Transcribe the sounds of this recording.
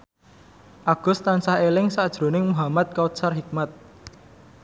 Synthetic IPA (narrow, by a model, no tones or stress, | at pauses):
ʔaɡ̥ʊ̤st̪ansahelɪŋsad̥ʒ̥ɾo̤nɪŋmuɦamat̪̚kawusarɦik̚mat̪̚